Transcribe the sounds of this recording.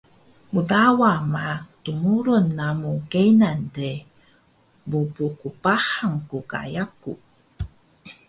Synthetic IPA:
mudawamatumuɾunːamukejnante | bupukupahaŋkuka̰jaku

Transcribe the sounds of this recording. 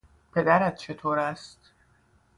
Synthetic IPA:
pʰe̞d̪æɾæt̪̚t͡ʃʰet̪ʰoːɾæst̪

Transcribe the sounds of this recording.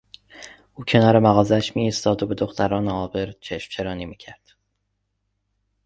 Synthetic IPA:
ʔuːcʰe̞nɒːɾe̞mæɣɒːzeæʃmiːst̪ɒːd̪obe̞d̪o̞xt̪ʰæɾɒːneɒːbe̞ɾt͡ʃʰeʃmt͡ʃʰe̞ɾɒːniːmiːcʰæɾd̪̥

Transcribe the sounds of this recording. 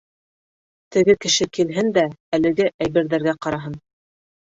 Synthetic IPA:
t̪ɘ̆ɡɘkɘ̆ʃɘkilɦɘnd̪æælɘ̆ɡɘʔæjβɘ̆ɾðæɾɡæqɑɾɑɦɤn

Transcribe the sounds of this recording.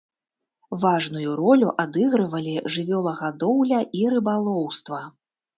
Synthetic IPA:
vaʐnujuɾɔlʲuʔad̪ɨɣɾɨvɐlʲiʐɨvʲɔlˠɐɣad̪ɔwlʲɐʔiɾɨbalˠɔwst̪vɐ

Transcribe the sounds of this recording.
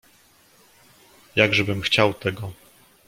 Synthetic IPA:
jaɡʐɛbɘmxt͡ɕawt̪ɛɡɔ

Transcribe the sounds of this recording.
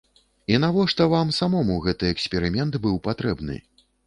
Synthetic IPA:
inavɔʂt̪ɐvamsamɔmuɣɛt̪ɨɛksʲpʲɛɾɨmʲɛnt̪bɨwpat̪ɾɛbnɨ̰

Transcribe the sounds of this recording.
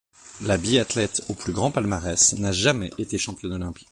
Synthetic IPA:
labiat̪lɛt̪oplyɡʁɑ̃palmaʁɛsnaʒamɛʔet̪eʃɑ̃pjɔ̃nɔlɛ̃pi̥k

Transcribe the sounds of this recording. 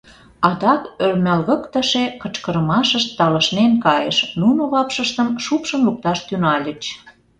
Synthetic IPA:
ɑd̪ɑkørmʲælɣə̆kt̪əʃekət͡ɕkəɾə̆mɑʃəʃt̪ːɑləʃnenkɑjəʃnunoβɑpʃəʃt̪əmʃupʃə̆nluk̚t̪ɑʃt̪ynɑlʲət͡ɕ

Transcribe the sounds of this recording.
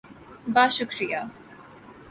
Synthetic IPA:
baʃukɾija

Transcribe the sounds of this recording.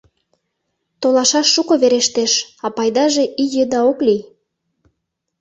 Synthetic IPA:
t̪olɑʃɑʃːukoβeɾeʃt̪eʃɑpɑjd̪ɑʒeʔijəd̪ɑoklij

